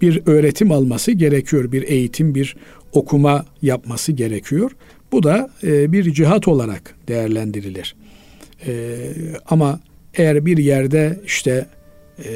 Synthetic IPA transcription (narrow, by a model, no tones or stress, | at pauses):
b̥iɾø̞ːɾe̞t̪ʰimalˠmasɯɟe̞ɾecʰijo̞ɾbiɾe̞jit̪ʰimbiɾ | o̞kʰumajapmasɯɟe̞ɾecʰijo̞ɾ̥ | bud̪abiɾd͡ʒiɦat̪ʰo̞lˠaɾa̰kd̪̥e̞jæɾlʲænd̪iɾilʲiɾ̥ | ama | ejæɾbiɾjæɾd̪ɛiʃt̪ʰɛ